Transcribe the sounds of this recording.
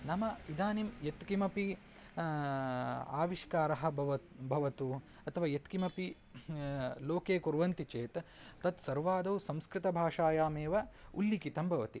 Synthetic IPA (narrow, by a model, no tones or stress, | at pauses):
nɐmɐid̪aːnimjet̪kimɐpi | a̰ːʋiʃkaːɾɐɦɐ̆ʋɐbʱɐʋɐt̪u | ɐt̪ʰɐʋaːjet̪kimɐpi | loːkeːkuɾʋɐnt̪it͡ʃeːt̪t̪ːɐt̪sɐɾʋaːd̪ɐwsɐ̃mskɾɪt̪ɐbʱaːʂaːjaːmeːʋɐulːikit̪ɐmbʱɐʋɐt̪i